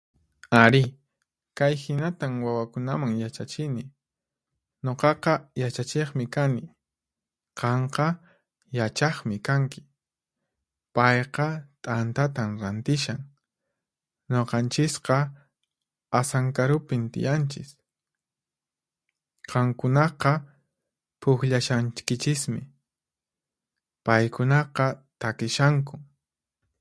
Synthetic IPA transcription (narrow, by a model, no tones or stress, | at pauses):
aɾɪ | kajhɪnat̪amwawakʊnamaŋjat͡ʃat͡ʃɪnɪ | ɲoqɑqɑjat͡ʃat͡ʃeχmɪkanɪ | qɑɴqɑ | jat͡ʃɑχmɪkaŋkɪ̥ | pɑjqɑt̪ʼant̪at̪amɾant̪ɪʃaŋ | ɲoqɑnt͡ʃɪsqɑ | asaŋkaɾʊpɪnt̪ɪ̰jant͡ʃɪs | qɑŋkʊnɑqɑ | pʰʊkʎaʃant͡ʃkɪt͡ʃɪsmɪ̰ | pajkʊnɑqɑt̪akɪʃaŋk̬ʊ